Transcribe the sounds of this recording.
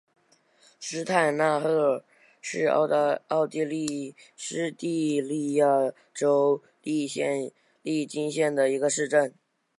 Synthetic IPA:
ʂɻ̩˥t̪ʰa˥˩˧ɪna˥˧xɤ˥˩ | ʂɻ̩̰˥˧˥ɑ˥˩ʊt̪i˥˧li˥˩ | ʂɻ̩˥t̪i˥˧li˥˧ja˥˩ | ʈ͡ʂo˥ʊ | li˥˧ɕɛ˥˧n | li˥˩t͡ɕi˥nɕjɛ˥˩nd̪ə˩i˧˥ɡə˧ʂɻ̩˥˧ʈ͡ʂə˥˩n

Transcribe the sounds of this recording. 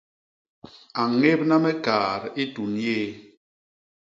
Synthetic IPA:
a˨ŋe˦p̚na˦mɛ˦kaː˨ɾi˦tu˨nje˦˨

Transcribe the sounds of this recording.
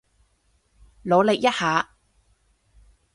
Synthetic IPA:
lo˨˧wle˨k̚jɐ˥t̚haː˨˧˦

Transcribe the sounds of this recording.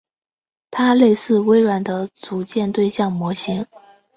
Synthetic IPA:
t̪ʰa˥le˥˧ɪsɹ̩˥˩we˥ɪɻwa˧˥nd̪ə˧t͡su˧˥t͡ɕjɛ˥˧nt̪we˥˧ɪɕjɑ˥˩ŋmwɔ˧˥ɕi˧˥ŋ

